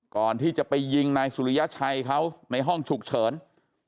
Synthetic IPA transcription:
kɔː˨˩nt̪ʰiː˥˩t͡ɕa˨˩pa˧jːi˧ŋnaː˧jsu˨˧ɾi˦ja˦˥t͡ɕʰa˧jkʰa˦˥wna˧jɦɔ˥˩ŋt͡ɕʰu˨˩k̚t͡ɕʰɤː˩˦n

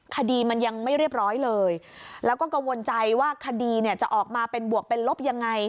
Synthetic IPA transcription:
kʰa˧diː˧ma˧nja˧ŋma˥˩jɾi˥˩əp̚ɾɔː˦˥jlɤː˧j | lɛː˦˥wkɔː˥˩ka˧mwo˧nt͡ɕa˧jwaː˥˩kʰa˧diː˧ni˥˩ət͡ɕa˨˩ʔɔː˨˩k̚maː˧pe˧nbu˨˩ək̚pe˧nlo˦˥p̚ja˧ŋːa˧j

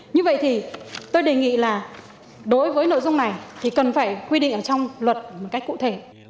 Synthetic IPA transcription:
ɲɨ˧və̰˧˨jt̪ʰi˨˩t̪o˧jɗe˨˩ŋḭ˧˨laː˨˩ | ɗo˨˦jvəː˨˦jno̰˧˨zʊ˧wŋ͡mna˨˩jt̪ʰi˨˩kə˨˩nfaː˧˩jkwi˧ɗḭ˧˨ŋ̟ʔəː˧˩t͡ɕɔ˧wŋ͡mlwə˨˩t̚mo˨˩ka˦˥jkṵ˧˨t̪ʰe˧˩

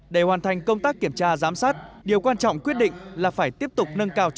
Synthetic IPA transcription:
ɗe˧˩hwaː˨˩nt̪ʰa˨˩jŋ̟kə˧wŋ͡mt̪aː˦˥k̚ːi˧˩əmt͡ɕaː˧zaː˨˦msaː˦˥t̚ɗi˨˩əwkwaː˧nt͡ɕɔ̰˧˨wŋ͡mkwət̚ɗḭ˧˨ŋ̟laː˨˩faː˧˩jt̪i˦˥əp̚t̪ʊ˨˩k͡p̚nə˧nkaː˧w

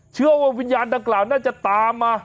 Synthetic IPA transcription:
t͡ɕʰɯ˥˩əwaː˧˩wi˧njaː˧nda˧ŋklaː˨˩wnaː˥˩t͡ɕa˨˩t̪aː˨˧mːaː˧

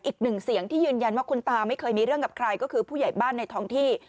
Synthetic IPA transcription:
nʔiː˨˩k̚nɯ˨˩ŋsi˨˩˦əŋt̪ʰiː˥˩jɯː˧nja˧nwaː˥˩kʰu˧nt̪aː˧ma˥˩jkʰɤː˧jmiː˧ɾɯ˥˩əŋka˨˩kʰɾaː˧jkɔː˥˩kʰɯː˧pʰuː˥˩ja˨˩jbaː˥˩nːa˧jt̪ʰɔ˥˩ŋt̪ʰiː˥˩

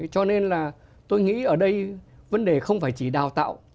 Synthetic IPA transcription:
t͡ɕɔ˧ne˧nlaː˨˩ | t̪o˧jŋḭ˧˥ʔəː˧˩ɗə˧jvə˨˦nɗe˨˩xə˧wŋ͡mfaː˧˩jt͡ɕi˧˩ɗaː˨˩wt̪a̰ː˧˨wʔ

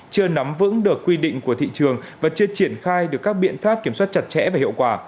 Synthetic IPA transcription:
t͡ɕɨ˧əna˨˦mvɨ̰˧˥ŋɗɨ˨˩əkːwi˧ɗḭ̈˧˨ŋ̟ku˧˩ət̪ʰḭ˧˨t͡ɕɨ˨˩əŋvaː˨˩t͡ɕɨ˧ət͡ɕi˧˩ənxaː˧jɗɨ˨˩əkːaː˦˥k̚ɓḭ˧˨ənfaː˦˥p̚ki˧˩əmswaː˦˥t̚t͡ɕa˨˩t̚t͡ɕɛ̰˧˥vaː˨˩hḭ˧˨wkwaː˧˩

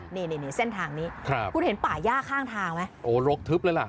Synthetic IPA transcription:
niː˧˩niː˧˩ni˧˩se˥˩nt̪ʰaː˧ŋniː˦˥kʰɾa˧˩p̚kʰu˧nhe˩˦npaː˨˩jaː˥˩kʰaː˥˩ŋt̪ʰaː˧ŋma˦˥jʔoː˨˩ɾo˦˥k̚t̪ʰɯ˦˥p̚lɤː˨˦jla˨˩ʔ

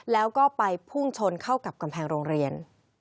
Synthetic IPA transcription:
lɛː˦˥wkɔː˥˩pa˧jpʰu˥˩ŋt͡ɕʰo˧nkʰa˥˩wka˨˩p̚ka˧mpʰɛː˧ŋɾoː˧ŋɾi˧ən

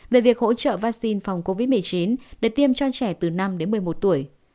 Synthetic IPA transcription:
ve˨˩vi˨˩ək̚ho̰˧˥t͡ɕə̰ː˧˨vaː˧k̚si˧nfa˨˩wŋ͡mko˧vi˦˥t̚mɨ˨˩əjt͡ɕi˨˦nɗɨ˧˨˩kt̪i˧əmt͡ɕɔ˧t͡ɕɛ˧˩t̪ɨ˨˩na˧mɗe˨˦nmɨ˨˩əjmo˨˩t̚t̪u˧˩əj

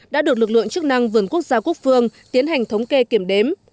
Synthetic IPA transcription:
ɗa̰ː˧˥ɗɨ˨˩ək̚lɨ˨˩k̚lɨ̰˧˨əŋt͡ɕɨ˦˥k̚na˧ŋvɨ˨˩ənku˦˥ək̚zaː˧ku˦˥ək̚fɨ˧əŋt̪i˨˦ənɦa˨˩jŋ̟t̪ʰə˨˦wŋ͡mke˧ki˧˩əmɗe˨˦m

